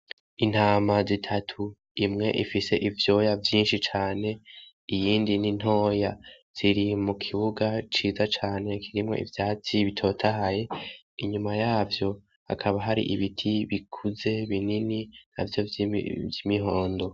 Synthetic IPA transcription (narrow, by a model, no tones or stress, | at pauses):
in̥haːmazitʰatʰu | imŋe̞̰ʔifise̞ʔivjo̞javjiːnʃit͡ʃaːne̞ | ijiːndinin̥ho̞ːja | z̥iɾimukʰiβuɡat͡ʃiːzat͡ʃaːne̞kʰiɾimŋo̞̰ʔḭvjaːt͡siβitʰo̞ːtʰaɦaje̞ | iɲumajaːvjo̞ | a̰kʰaβaɦaɾḭʔiβitʰiβikʰuze̞βininina̰vjo̞̰vjimiɦo̞ːndo̞